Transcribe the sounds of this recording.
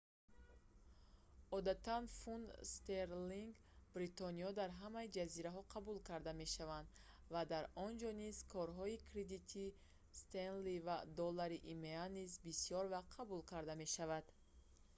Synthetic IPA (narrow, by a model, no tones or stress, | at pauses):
ɔd̪at̪ʰanfunst̪eɾliŋɡ | bɾit̪ɔniɔd̪aɾɦamaid͡ʒaziɾaɦɔqʰabulkʰaɾd̪ame̞ʃavand̪ | vad̪aɾɔnd͡ʒɔnizkʰɔɾɦɔikʰɾed̪it̪ʰi | st̪enlivad̪ɔlːaɾiʔimeanizbisijɔɾvaqʰabulkʰaɾd̪ame̞ʃavad̪̥